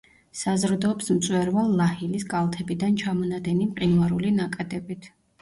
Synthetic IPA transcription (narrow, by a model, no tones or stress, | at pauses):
sazɾd̪ɔːpsmt̪sʼwɛɾvalˠːahilisɡʼalˠt̪ʰɛbid̪ant͡ʃʰamɔnad̪ɛnimqʼinvaɾulinakʼɛd̪ɛbit̪ʰ